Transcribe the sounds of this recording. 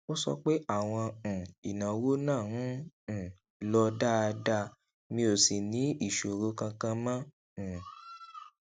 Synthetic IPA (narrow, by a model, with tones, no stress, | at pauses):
o˦sɔ̰˧k͡pe˦a˦˨w̃ɔ̃˧˨i˨nã˨wo˦nãː˦˨nũ˦˨ | lɔ˧da˦˧da˦ | mĩ˧o˨si˨nĩ˨˦i˦˨ʃo˨ɾo˨˦kã˧kã˧mã˦˨